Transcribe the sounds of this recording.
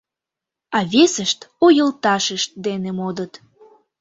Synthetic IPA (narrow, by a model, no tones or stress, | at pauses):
ɑβʲesəʃt̪ojəlt̪ɑʃəʃt̪̚d̪enemod̪ət̪